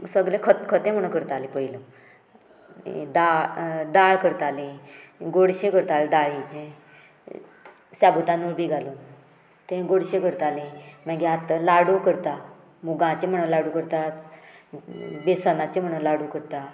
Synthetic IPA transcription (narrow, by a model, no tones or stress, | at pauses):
səɡlẽkʰət̪kʰət̪ẽm̤əɽũkəɾt̪alẽpəjlo | d̪ad̪aɭkəɾt̪alẽɡoɽɕẽkəɾt̪ald̪aɭit͡ɕẽ | sabut̪ãnuːɾbʱiɡʱaluːn | t̪ẽɡoɽɕẽkəɾt̪alẽmaɡeat̪əlaɽukəɾt̪a | muɡãt͡ɕẽm̤əɽ̃unlaɽukəɾt̪at͡s | besənat͡ɕẽm̤əɽ̃unlaɽukəɾt̪a